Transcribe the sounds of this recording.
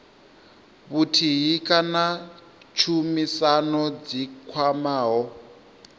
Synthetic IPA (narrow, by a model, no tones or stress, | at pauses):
βutʰiɦikʼana | t͡ʃʰumisanɔd͡zikʰwamaːɦɔ